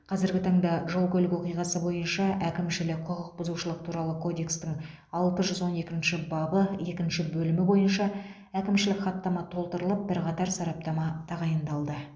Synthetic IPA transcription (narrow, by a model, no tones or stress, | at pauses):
qʰɑzɪɾɡʲɪt̪ʰɑɴd̪ɑʒo̞lˠkʲʰɵlɪkwo̞qijʁɑsəbo̞jənʃɑʔækʲɪmʃɪlɪqʰʊʁəq̚bʊzuʃəlˠəq̚t̪ʰuɾɑlˠəkʰo̞d̪e̞kst̪ɪŋ | ɑlˠt̪əʒʏzwo̞ne̞kʲɪnʃɪbɑbəe̞kʲɪnʃɪbɵlɪmɪbo̞jənʃɑ | ækʲɪmʃɪlɪkχɑt̪ːɑmɑt̪ʰo̞lˠt̪əɾəlˠəp̚bɪɾqɑt̪ɑɾsɑɾɑp̚t̪ɑmɑt̪ʰɑʁɑjənd̪ɑlˠd̪ə